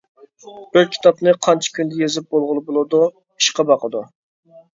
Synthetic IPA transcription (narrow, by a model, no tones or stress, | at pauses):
ølkʲʰi̥t̪ɑpnɨqʰɑnt͡ʃʰi̥kʲʰynd̪ɛjezɪp̚bolˠʁʊlˠɨbolˠɨd̪u | i̥ʃqɑbɑqəd̪u